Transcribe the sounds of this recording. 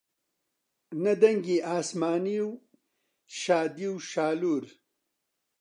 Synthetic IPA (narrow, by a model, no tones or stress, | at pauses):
nɐd̪ɐŋɡiʔaːsmaːniw | ʃaːd̪iwʃaːluːɾ